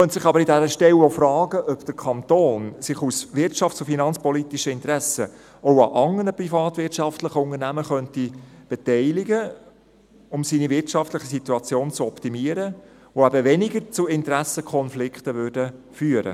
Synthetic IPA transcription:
χœntsɪχɑbəɾɪdæɾəʃtɛwofɾɑːɡəʔœpd̥əɾkʰɑnt̪oːnsɪχusʋɪɾtt͡ʃɑftt͡sʊfinɑnt͡spɔlit̪iʃəɪntɾæsə | oʊɑ̰ʔɑŋːənəprifɑːt̪vɪt͡ʃɑftləχəʊŋəɾnæməχœntib̥ɛtɛɪlɪɡə | ʊmsiːnivɪtʃɑftləχəsit̪uɑt͡sjoːnt͡suɔptimiəɾə | voæbəʋɛnɪɡəɾt͡suɪnt̪əɾæsəkʰɔnflɪkχtəʋʏɾdə | fyːəɾə̰

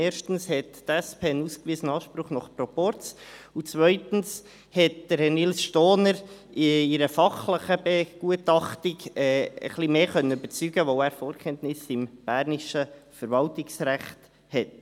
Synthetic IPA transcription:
ɛːɾʃtn̩shɛttɛspʰeːənuːskviːsənɑːʃpɾʊχnɔχpɾɔpɔɾt͡sʊt͡svœʏtn̩s | hɛt̚d̥əɾɛnilsʃtoːnəɾ | iɾəfɑχləχəbeɡ̥uətɑχtiɡɛːə̰χlimeːχœnːənybət͡syːɡ̥əʋoːæːɾfoːɾkʰɛntnɪsɪmb̥æːɾnɪʃəfəɾvɑltɪksɾæχt | hɛt̚

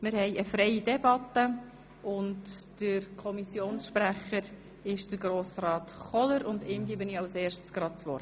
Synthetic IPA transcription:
mɪɾhɛɪəfɾɛɪidɛbɑtːə | ʊntd̥əɾkʰɔmisjoːnsʃpræχəɾ | ɪʃd̥əɾɡɾoːsrɑːt̪χɔləɾʊndɪːmɡiːbəniɑwseːɾʃtsɡ̥rɑt̚t͡sʋɔɾr

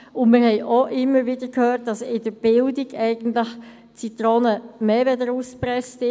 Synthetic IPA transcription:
ʊnmɪɾhɛɪʔoʔɪmːəɾʋɪdəɾkʰhøːt̚d̥ɑsɪdəɾb̥ɪldɪɡɛɪɡ̥ən̩tlɪx | t͡sit̪ɾoːnəmeːvɛdəɾuːspɾɛstɪ

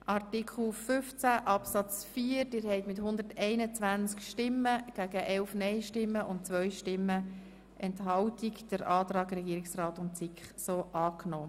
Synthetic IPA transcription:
ʔɑrtikʰl̩fʏft͡sæʔɑpsɑt͡sfiːəɾdɪːɾhɛɪtmɪthʊnd̪əɾtɛɪnət͡sʋænt͡skʃtɪmːəɡ̥æɡəʔɛlfnɛɪʃtɪmːəʔʊntt͡sʋœʏʃtɪmːə | ʔɛntɦɑltikd̥əɾʔɑːtɾɑːɡɾɛɡiːɾɪksrɑːtʊnt͡sɪkχsoːʔɑːknɔː

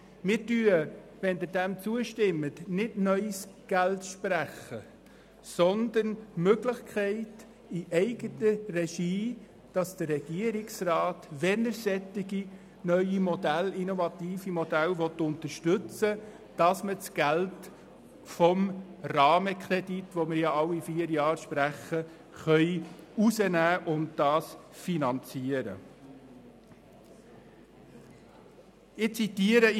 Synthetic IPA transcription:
mɪːɾtyːəʋɛnd̪əd̥æmt͡suəʃtɪmːətnɪdnœʏsɡ̥æltʃpræχə | sɔnd̪ənmøɡləχkʰɛɪt | iʔɛɪɡətərɛʃiː | d̥ɑsd̥əːɛɡ̥iəɾɪksrɑːtʋɛnəɾsɛtɪɡi | nœʏimɔdælinɔvɑt̪iːfimɔdælʋɔt̪ʊnt̪əɾʃtɵt͡sə | d̥ɑsmət͡sɡ̥ælt | fɔmrɑːməkʰɾeditʋɔmɪɾjɑɑwːifiːəɾjɑːɾʃpɾæχə | χœʏusənæːʔʊntd̥ɑːsfinɑnt͡siəɾə̰ | ɪt͡sitiəɾə

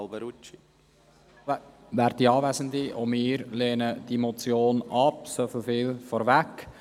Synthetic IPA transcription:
lˠbəɾut͡ʃi | væːɾdiɑːvæzənd̪iʔʊmɪːɾleːnəd̥imot͡sjoːnɑpsofofɪːlfɔɾvæk

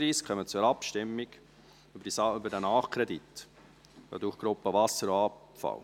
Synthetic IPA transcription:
ɾiːskʰχœmət͡sʊɾɑpʃtɪmːɪɡ̥ | sʏbədɛnɑːχkʰɾɛd̪it̪ | d̥ɔ̰ːd̪uːχɡ̥ɾʊpːəvɑsəɾoɑ | fɑ̰l

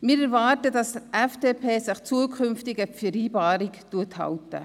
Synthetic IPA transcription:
mɪːɾɛɾvɑːɾtədɑsdəʔɛfd̥eːpʰeːsɪχt͡suːəkʰʏnftɪɡəfiɾiːbɑːɾɪktuəthɑ̰wtə̰

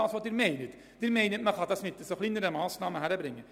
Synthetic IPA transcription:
ɑlt̪ʋɑd̪ʉɾmeɪnət̪ | d̥̪yːɾmeɪnəɾmɛkʰɑt̪ɑsmɪt̪ːəsɔflɪnd̪əɾəmɑːsnɑːməɦæɾɛbɾɪŋːə

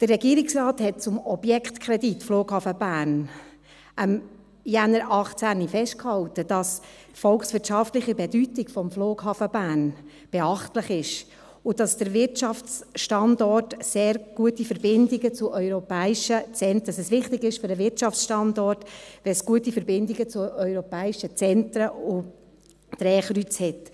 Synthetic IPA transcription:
d̥ərːɛɡiːɾɪksrɑːthɛt̚t͡sʊmɔbjɛkχtkʰɾɛditːfloːɡhɑfəbæːɾn | ʔəm | jænəɾʔɑχt͡sænifɛʃt̚khɑltəd̥ɑs | fɔlksʋɪtt͡ʃɑftlɪχəbɛdytɪɡfɔmfloːɡhɑːfəbæːn | b̥ɛɑχtləχɪʃ | ʊd̥ɑsd̥əɾʋɪɾtt͡ʃɑft͡sʃtɑndɔtseːɾɡ̥uətifəɾbɪndiɡət͡sʊʔœʏɾɔpɛːiʃət͡sɛntɑsɛsʋɪχtɪɡɪʃfʏɾdəʋɪtʃɑft͡sʃtɑndɔtʋɛsɡ̥uətifəɾbɪndiɡət͡sʊœʏɾɔpɛːɪʃət͡sɛntɾəʊ | d̥ɾɛːχɾyt͡shɛt

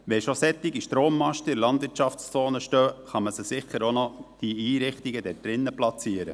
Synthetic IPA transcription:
ʋɛʃosɛt̪ːɪɡiʃtɾoːmːɑʃtəɪɾlɑnd̪ʋɪɾtt͡ʃɑfst͡soːnəʃtøːχɑməsəsɪχːəɾonɔd̥iiːɾɪχt̪ɪɡəd̥ɛd̥ɾɪnːəplɑt͡siːəɾə̰

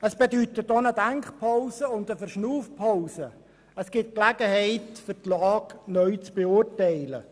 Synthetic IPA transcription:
əsb̥edytətːɔnədæŋkχpʰaʊsəʊndəfərʃnuːfpʰaʊsə | əsɡ̥ɪt̚klæɡəhɛɪtfʏrtlɑːknœɥt͡sb̥eʊrtɛɪlə

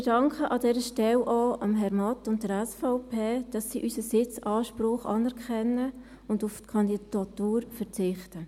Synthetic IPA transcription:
ɪdɑŋkχəʔɑdɛːɾəʃtɛlʔɔːʔɑmɦɛɾmɑtʊntdəɾɛsfɑʊpʰeːd̥ɑsːiːʔysəsɪt͡sɑːʃpɾʊχɑ̰nɛɾkχɛnːə | ʊndʊftkʰɑndid̥ɑtuːɾfəɾt͡sɪχtə

